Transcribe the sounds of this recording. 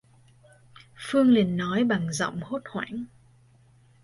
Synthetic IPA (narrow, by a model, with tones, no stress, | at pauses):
fɨ˧əŋli˨˩ənːɔ˨˦jɓa˨˩ŋzə̰˧˨wŋ͡mho˦˥t̚hwa̰ː˧˩ŋ